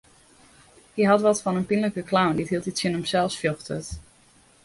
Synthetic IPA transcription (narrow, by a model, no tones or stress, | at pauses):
hiɦɑtʋɑtfɑnənpinləkəklawnditɦilˠtitsɪnəmsɛlˠsfjøχtə̰t